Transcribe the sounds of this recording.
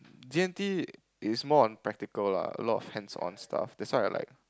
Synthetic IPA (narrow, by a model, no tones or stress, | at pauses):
diɛ̃nti | ɪsmɔɔ̃npɹɛk̚tikəla̰ə̰lɔtɔfhɛ̃nsɔ̰̃nstʰa̰fdɛtswaɪa̰la̰ɪk̚